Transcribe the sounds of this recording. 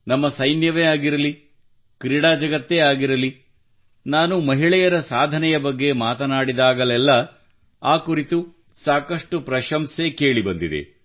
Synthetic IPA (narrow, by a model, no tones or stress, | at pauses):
nɐmːɐsɐjnjɐʋeːaːɡiɾɐli | kɾiɽaːd͡ʒɐɡɐt̪ːeːaːɡiɾɐli | naːnumɐɦiɭɛjɐɾɐsaːd̪ʱɐnɛjɐbɐɡːe̞maːt̪ɐnaːɽid̪aːɡɐlɛlːɐ | aːkuɾit̪u | saːkɐʂʈupɾɐʃɐmseke̞ːɭibɐnd̪id̪ḛ